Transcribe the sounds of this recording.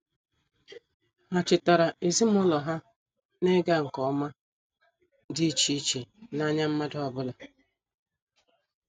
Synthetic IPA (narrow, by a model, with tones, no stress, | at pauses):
a˨t͡ʃɪ˨ta˨ɾa˨e˨zi˦m˦ʊ˦lɔ˨ɦa˦ | ne˦ɡa˦˨ŋ̩˨kɔ˨˦ma˦ | di˦t͡ʃi˦t͡ʃe˨na˦ɲa˦m̩˦ma˦dʊ˦ɔ˨bʊ˦la˨